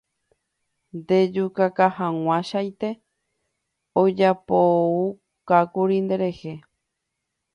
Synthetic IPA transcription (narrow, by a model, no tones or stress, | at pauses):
nd̪e̞d͡ʒukakahãw̃ãʃajt̪e̞ | od͡ʒapou | kakuɾind̪e̞ɾe̞he